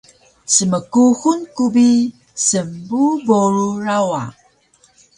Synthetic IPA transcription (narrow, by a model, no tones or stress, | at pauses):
səməkuxunkubi | səmbuboɾuɾawa̰